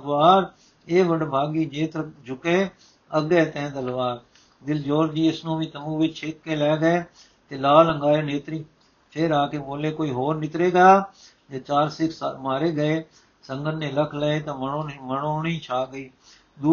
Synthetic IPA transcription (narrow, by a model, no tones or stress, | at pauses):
ʋaːɾ | eːʋəɖbʱaːɡiːd͡ʒeːt̪ɾd͡ʒʊkeː | əɡeːt̪ɛ̃ːt̪əlʋaːɾ | d̪ɪld͡ʒoːɾd͡ʒiːɪsnũːʋiːt̪əmũːʋɪt͡ʃʰɪkːeːlɛːɡəeː | t̪eːlaːləŋɡaːeːneːt̪ɾiː | pʰɪɾaːkeːboːleːkoːiːɦoːɾnɪt̪ɾeːɡaaː | d͡ʒaːt͡ʃaːɾsɪkʰsmaːɾeːɡəeː | səŋɡənnẽːləkʰləeːt̪ãːəoməɳoːniːt͡ʃʰaːɡəiː | d̪uː